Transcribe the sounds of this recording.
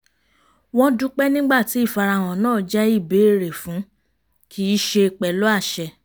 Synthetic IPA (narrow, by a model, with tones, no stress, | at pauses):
w̃ɔ̃˦du˦k͡pɛ˦nĩ˦ɡ͡ba˦˨ti˨˦i˦˨fa˧ɾa˧˨w̃ɔ̃˨nãː˦˨d͡ʒɛ˦i˦˨be˨˦e˦˨ɾe˨fũ˨˦ | kʰi˦i˦ʃe˧k͡pɛ˨lo˦a˦˨ʃɛ˧